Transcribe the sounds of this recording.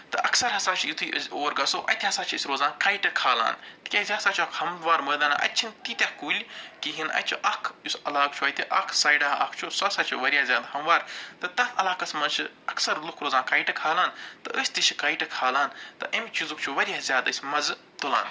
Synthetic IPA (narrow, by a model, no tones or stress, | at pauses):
t̪ɨɐksɐɾɦɐsaːt͡ʃʰijit̪ʰuːʔɐ̰sʲoːɾɡɐsoːʔɐ̰t̪ʰʲiɦɐsaːt͡ʃʰisʲɾoːzaːnkaːiʈɐkʰaːla̰ːnt̪kʲɐzʲaːsaːt͡ʃʰuɐkʰhɐmʋaːɾməːd̪aːnʔɐ̰t̪ʲt͡ʃʰint̪it̪ʲɐkːuːlʲkiɦinɐ̰t̪ʰʲt͡ʃʰiʔɐkʰusʲɐlaːkt͡ʃʰuɐt̪ʲʰiʔɐkʰsaːjɖaːɐkʰt͡ʃʰusɐsaːt͡ʃʰuʋɐɾʲijaːzʲjaːd̪hɐmʋaːɾt̪ɨt̪ɐt̪ʰɐlaːkɐsmɐnt͡ʃʰi | ɐksɐɾlukʰɾoːzaːkɐːjʈɐkʰaːlaːnt̪ɨʔəːsʲt̪it͡ʃʰi̥kaːjʈɐkʰaːlaːnt̪ɨʔɐmʲt͡ʃizukt͡ʃʰuʋɐɾʲjaːzʲjaːd̪ɨsʲmɐz | t̪ula̰ːn